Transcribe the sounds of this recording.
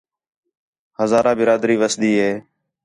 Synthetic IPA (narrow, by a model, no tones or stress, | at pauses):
həzaːɾãːbɪɾaːd̪ɾiːʋəsɗ̪iːɦeː